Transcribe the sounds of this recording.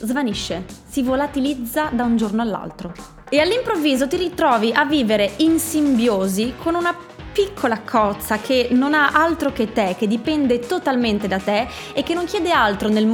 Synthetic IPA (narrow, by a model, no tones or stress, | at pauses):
zvaniʃːesivolat̪ilid̪zːad̪aund͡ʒornoalːa̰lt̪ɾo | ealːimpɾovːiːzot̪iɾit̪ɾɔːviʔavːiːveɾeinsimbjoːzikʰonuna | pikʰːolakʰɔt̪sːakʰenonaʔalt̪ɾok̟et̪ːek̟ːed̪ipɛnd̪et̪ot̪alment̪ed̪at̪eː | k̟ːenːoŋkjɛːd̪ealt̪ɾonelm